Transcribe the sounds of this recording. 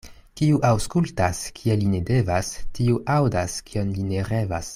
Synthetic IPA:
kiuʔawskultaskʲʰieline̞de̞vastiuʔawdaskio̞nlineɾe̞vas

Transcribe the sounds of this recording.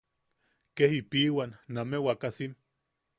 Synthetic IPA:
kehipiwanːamewakasin

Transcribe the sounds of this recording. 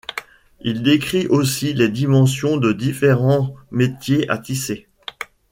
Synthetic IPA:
ild̪ekχiʔosiled̪imɑ̃sjɔ̃d̪əd̪ifeʁɑ̃met̪jeʔa̰t̪ise

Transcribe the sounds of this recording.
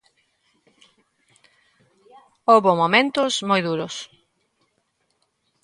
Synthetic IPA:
oβomomẽnt̪ʊsmojðuɾʊs

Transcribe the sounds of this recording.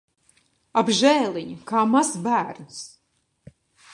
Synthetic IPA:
abʒɛːlˠiɲukaːmazbæːɾnus

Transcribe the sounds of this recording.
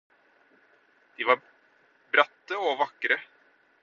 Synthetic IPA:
d̪̥iʋɑ | bɾɑt̪ːəɔʋɑkːɾə

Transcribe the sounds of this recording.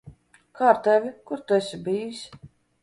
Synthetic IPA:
kʰaːɾt̪ævʲikuɾt̪uɛsʲibiːjisʲ

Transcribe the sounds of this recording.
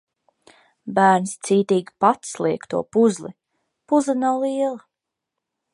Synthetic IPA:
bæːɾnst̪siːt̪iːɡʲipat̪slˠiɛkt̪ṵɔpuzlˠi | puzlˠinawlˠiɛlˠa

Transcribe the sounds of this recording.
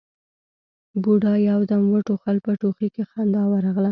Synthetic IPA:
buɖɑjawd̪amwəʈoxalpəʈoxikexand̪ɑwaɾɑɣla

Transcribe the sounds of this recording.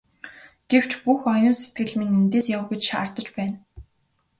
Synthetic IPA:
ɡ̥ew̥t͡ɕpuxɔjʊːset̪̚ɡɘ̆ɮmeŋemt̪eːsjawɡet͡ɕʃa̰rt̪ə̆t͡ɕpæːn

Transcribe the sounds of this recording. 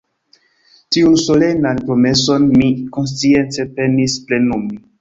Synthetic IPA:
tiunso̞le̞nanpɾo̞me̞so̞nmikons̬t͡sie̞nt͡se̞pe̞nisple̞numi

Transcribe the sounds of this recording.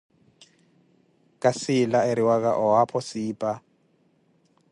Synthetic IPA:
kʼasɪlaeɾiwak̬a̰ʔɔɦapʰɔsiːpʼa

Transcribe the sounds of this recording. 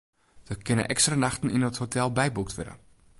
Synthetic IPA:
ʋəkɪnə̰ʔɛkstranaxtən̩inəthotʰɛlˠbɛjbuk̚tʋʊ̰də̰

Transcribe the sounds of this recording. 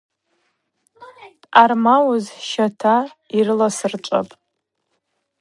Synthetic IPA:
tʼarmawʊzʃatʰairɨlasɨrt͡ʃʷʼa̰pʼ

